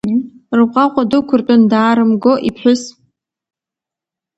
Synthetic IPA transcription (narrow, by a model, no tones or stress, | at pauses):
rɨqʼaqʷʼadokʷʰʊrtʼʊndaːɾɨmɡoʔipʰħʷᶣʊs